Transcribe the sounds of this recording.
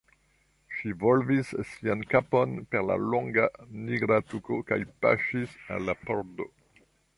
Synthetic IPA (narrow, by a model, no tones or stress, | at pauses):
ʃivolvisːiankapo̞npeɾla̰loŋɡaniɡɾatukokajpa̰ʃisa̰lːapoɾdo̰